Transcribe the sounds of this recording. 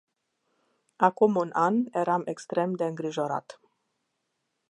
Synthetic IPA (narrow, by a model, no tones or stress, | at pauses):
akumunʔanje̞ɾame̞kst̪ɾe̞md̪e̞ɨŋɡɾiʒo̞ɾa̰t̪